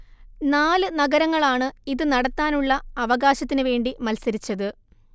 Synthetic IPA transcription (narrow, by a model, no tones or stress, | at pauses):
naːlɨnɐɡɐɾɐŋːɐɭaːɳɨiðɨnɐɽɐt̪ːaːnuɭːɐːʋɐɡaːɕɐt̪ːinɨʋe̞ːɳɖimɐlsɐɾit͡ɕːɐðɨ